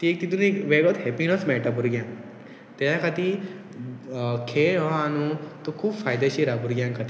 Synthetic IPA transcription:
t̪iek̚t̪it̪unekʋeɡɔt̪ɦɛpinɔsmɛʈabuɾɡjãŋ | t̪elãkat̪i | kʰeɭɔãnut̪okʰuːbfaːjd̪aɕiɾabuɾɡjãŋkat̪i

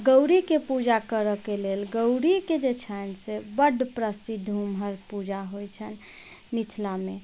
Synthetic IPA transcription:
ɡəwɾikepud͡ʒakəɾəkelelɡəwɾiked͡ʒet͡ʃʰənsebəɖpɾəsid̪ʱːumɦəɾpud͡ʒaɦojt͡ʃʰən | mit̪ʰlame

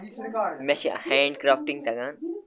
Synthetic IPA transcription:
mɛsḭhɛ̃ːɳɖkɾaːfʈĩŋ̚t̪ɐɡan

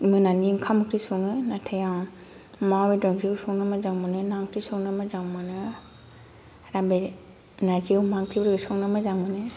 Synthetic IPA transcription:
mɯnaniŋkʰamkʰɾisuŋɯnatʰeja | mawbedɔɾiwsɔŋnɯmazaŋmɯnɯnaŋkʰɾisɔŋnɯmazaŋmɯnɯ | ɾabe | nad͡ʒiwmaŋkɾibɾɡɯsɔŋnɯmɯzaŋmɯnɯ

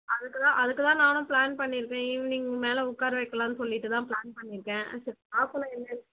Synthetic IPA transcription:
ɐðɯkːɯt̪ãːʔɐðɯkːɯt̪ãːnaːnʊ̃plaːnpɐɳːɪɾɯkːẽːniːŋɡɐmeːlɛʊkːaːɾɐʋɐɪkːɐlãːnɯsɔlːɪʈːɯt̪ãːpɭaːnpɐɳːɪɾɯkːẽːsɐɾaːpɐnɐ̃ɛnːɐɪɾ

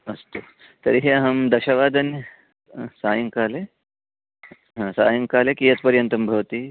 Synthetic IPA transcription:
ɐst̪u | t̪ɐɾiɦiɐɦɐmd̪ɐʃɐʋaːd̪ɐn | saːjɐŋkaːle | ɦãːsa̰ːjɐŋkaːlekijɐt̪̚pɐɾjɐnt̪ɐmbʱɐʋɐt̪i

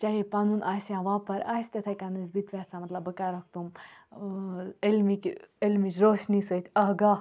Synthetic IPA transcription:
t͡ʃaɦipɐnunʔaːsjãːʋaːpɐɾa̰ːsʲt̪ɐt̪ʰɐkanuzbit̪ʋʲaːsãmɐt̪lɐbɐkaɾɐk̚ʰt̪um | elmikelmit͡ʃɾoːʃnisət̪ʰʲɐɦɡaː

